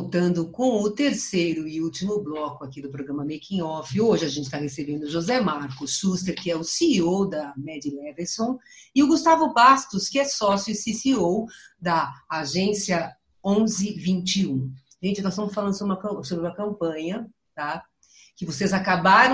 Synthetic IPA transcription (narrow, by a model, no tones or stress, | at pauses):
ot̪ɐ̃nd̪ʊkõw̃ʊt̪eɾsejɾʊɪuwt͡ʃimʊblɔkʊakid̪ʊpɾoɡɾɐ̃mɐmekĩjɔfɪoʒɪaʒẽnt͡ʃɪ̥st̪ahesebẽnd̪ʊʒozɛmaɾkʊsːust̪eɾkɪɛʊsiowd̪ɐmɛd͡ʒilɛveɾsõw̃ɪʊɡust̪avʊbast̪ʊskɪɛsɔsjʊɪsisiowd̪ɐaʒẽsiɐ | õzɪvĩnt͡ʃiũ | ʒẽnt͡ʃɪnɔst̪ɐ̃mʊsfalɐ̃nd̪ʊsobɾũmɐkɐ̃sobɾɪũmɐkɐ̃mpɐ̃ɲɐ | t̪a | kɪvosezakabaɾɐ̃